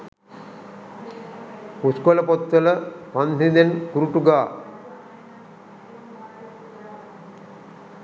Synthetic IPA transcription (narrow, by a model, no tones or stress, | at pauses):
uskoləpot̪ːələpand̪ʱid̪enkuɾuʈuɡaː